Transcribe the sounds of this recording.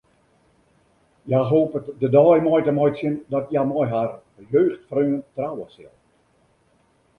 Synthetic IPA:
jaɦoːpətdədɔːjmɔjtəmɔjtsɪndɔtjamɔjɦar | əjøːxtfrøːəntrawəsɪ̰lˠ

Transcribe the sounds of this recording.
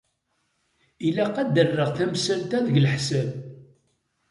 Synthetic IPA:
ilæqːæd̪ərːəʁθæmsəlt̪æðəʝlħsæb

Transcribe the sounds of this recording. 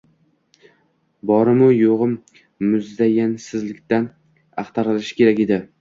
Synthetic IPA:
bɒɾɪmʊjoʁɨmː | ʊzd̪ajansɪzlɪkʲt̪an | ɑχt̪ʰɑɾɪlɪʃɪ̥kʲʰe̞ɾakʲed̪ɪ

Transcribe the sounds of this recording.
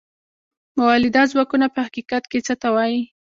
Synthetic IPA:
mawɑlɪd̪ɑzwɑkunapəhaqiqat̪ket͡sət̪awɑji

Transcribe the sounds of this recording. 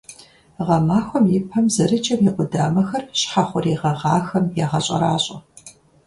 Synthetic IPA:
ʁɐmaːxʷɔmjɪpʰɐmzɐɾɨt͡ʃʼɐmjiqʷʊdaːmɐxɐrɕħaχʷʊɾiːʁɐʁɑːxɐmjaːʁɐɕʼɐ̰ɾaːɕʼɐ

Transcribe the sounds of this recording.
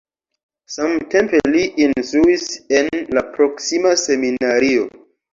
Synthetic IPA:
samte̞mpe̞liʔinstɾuise̞nlapɾo̞ksimase̞minaɾio̞̰

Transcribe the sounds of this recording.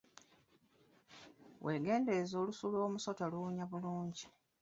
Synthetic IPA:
wʔe̞ːɡe̞ːnde̞zo̞ːlusuloːmuso̞taluɲaβuluːɲɟi

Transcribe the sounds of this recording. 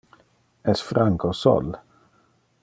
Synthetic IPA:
ɛsfɾaŋkʰosɔ̰l

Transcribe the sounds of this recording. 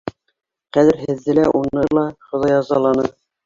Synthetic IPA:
qæðɘɾɦɘ̆ðːɘlæʔunɤlˠɑχŏðɑjɑzɑlˠɑnɤ

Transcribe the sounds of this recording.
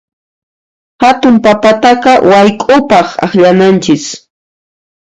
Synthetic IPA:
hat̪ʊmpapat̪aqɑwajkʼʊpɑχa̰χʎanant͡ʃɪs

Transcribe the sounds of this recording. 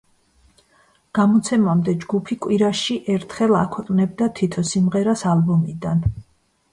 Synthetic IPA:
ɡ̥amɔt̪sʰɛmamd̪ɛd͡ʒɡupʰikʼwiɾaʃiʔɛɾt̪ʰχɛlˠakʰwɛqʼnɛbd̪at̪ʰit̪ʰɔsimʁɛɾasalbɔmid̪an

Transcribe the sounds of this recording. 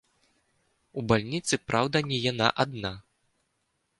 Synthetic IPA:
ubalʲnʲit̪sɨpɾʔawd̪ɐnʲɛjana̰ʔad̪na

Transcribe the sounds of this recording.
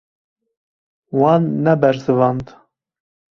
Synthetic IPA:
wɑːnːɛbɛɾzɨvɑnd̪

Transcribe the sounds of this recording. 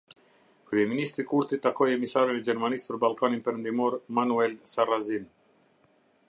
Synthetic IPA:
kɾyɛminist̪ɾikuɾt̪it̪ːakɔjɛmisaɾɛnɛd͡ʒɛɾmanispəɾbalˠkaninpɛɾənd̪imɔɾmanuɛlsarazin

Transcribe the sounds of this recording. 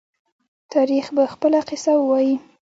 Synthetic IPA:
t̪ʰɑɾixbaxpəlaqɪsawwɑji

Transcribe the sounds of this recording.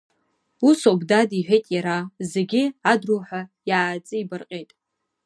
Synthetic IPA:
usobdadiħʷᶣejtʼjaɾazeɡʲɪadruħʷajaːt͡sʼɨibɨrqʲʼejtʼ

